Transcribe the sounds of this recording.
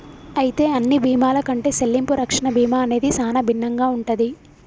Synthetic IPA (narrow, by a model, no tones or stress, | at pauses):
ɐjit̪e̞ːɐnːibʱiːmaːlɐkɐɳʈe̞ːselːimpuɾɐkʂɐɳɐbʱiːmaːɐne̞ːd̪isaːnɐbʱinːɐŋɡaːuɳʈɐd̪i